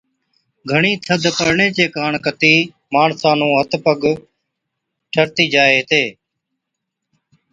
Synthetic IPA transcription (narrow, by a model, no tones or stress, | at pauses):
ɡʱəɳiːt̪ʰəd̪ʱpəɾɳeːt͡ʃeːkaːɳkət̪iː | maːɳsãːnũːɦət̪pəɡ | ʈʰəɾt̪iːd͡ʒaːeːt̪eː